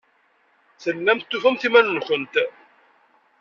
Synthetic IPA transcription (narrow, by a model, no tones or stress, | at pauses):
θəlːæmt̪ːufæmθimænːçənt̪